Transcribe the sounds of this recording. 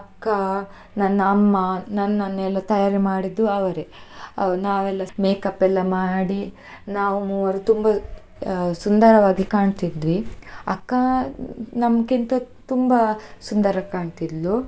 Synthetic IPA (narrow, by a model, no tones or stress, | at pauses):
ɐkːa | nɐnːamːɐnɐnːɐnːɛlːɐt̪ɐjaːɾimaːɽid̪ːuɐʋɐɾeɐnaːʋɛlːɐmeːkɐpːɛlːɐmaːɽi | naːʋumuʋɐɾut̪umbɐ | sund̪ɐɾɐʋaːɡikaːɳt̪id̪ʋiɐ̰kːɐ | nɐmkint̪ɐ | t̪umbɐsund̪ɐɾɐkaːɳt̪id̪ʋu